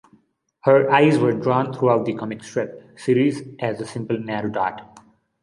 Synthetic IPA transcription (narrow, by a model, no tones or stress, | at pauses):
həɾʔaɪzʋəɾɖɾɔ̃ːnt̪ʰɾuaʊʈ̚d̪ikʰɔmɪksʈɹɛp̚siːɾizʔæzəsɪ̃mpəlnæɾoɖaːʈ